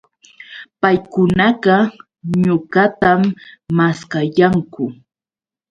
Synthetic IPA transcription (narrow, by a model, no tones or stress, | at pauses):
pajkʊnɑɢɑ | ɲʊɢat̪amːaskajaŋkʊ